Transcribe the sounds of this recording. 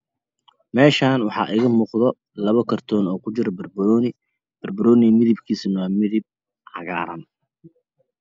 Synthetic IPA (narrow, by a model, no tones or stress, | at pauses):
mɛːʃaːnwɑħɑ̰ːʔɪɣɐmuːqðɔ | lɐβɐkʰɐrt̪ʰɔːnɔːkʰʊt͡ʃɪɾɔbɐrbɾɔːnɪ | b̥ɐrbɐɾɔːnɪmɪðɪbkʰiːsɪnwaːmɪðɪb̚ | ʕɑ̰ɣa̰ːɾɐ̰n